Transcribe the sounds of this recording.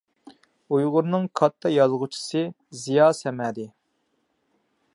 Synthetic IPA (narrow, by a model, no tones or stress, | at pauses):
ujʁʊɾnɨŋkʰɑt̪ʰːɑjɑzʁʊt͡ʃʰi̥sɨ | zijɑːsɛmɛd̪ɪ